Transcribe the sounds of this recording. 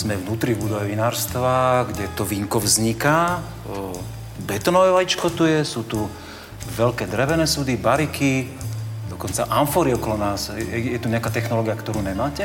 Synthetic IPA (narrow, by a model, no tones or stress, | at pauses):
z̥mɛvnuːt̪ɾivbud̪ɔʋɛʋinaːɾst̪ʋaɡɟɛt̪ɔʋiŋkɔvzɲikaː | bɛt̪ɔnɔʋɛʋajit͡ʃkɔt̪ujɛsuːt̪u | ʋɛlkɛːd̪ɾɛʋɛnɛːsud̪ibaɾiki | d̪ɔkɔnt͡saʔanfɔɾiɔkɔlɔnaːsɛjɛt̪uɲɛakaːt̪ɛxnɔlɔːɡiakt̪ɔɾuːɲɛmaːcɛ